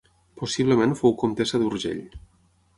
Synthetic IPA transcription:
posiβləmẽnfowkomt̪esəðuɾʒḛʎ

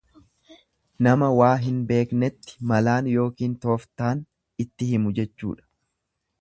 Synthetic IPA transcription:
nɐmɐwaːɦɪnbe̞ːknɛt̪ːɪ̥mɐlaːnjo̞ːkiːnt̪o̞ːft̪aːn | ɪt̪ːɪhɪmʊd͡ʒɛt͡ʃːṵːᶑɐ̥

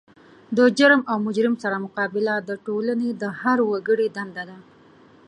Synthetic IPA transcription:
d̪əd͡ʒaɾmawmʊd͡ʒɾɪmsaɾamʊqɑbɪlad̪əʈolaned̪əhaɾwaɡəɽed̪and̪ad̪a

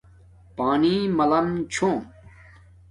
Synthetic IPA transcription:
paːnimɐlɐmt͡ɕʰõːm

